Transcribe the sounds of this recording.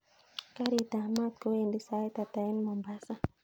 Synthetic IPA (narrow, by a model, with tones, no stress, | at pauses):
ka˦ɾit̪a˨ma˦t̪̚ko˦wendi˦sa˨e˦t̪a˨t̪a˨i˦nmɔ˨mba˦sa˦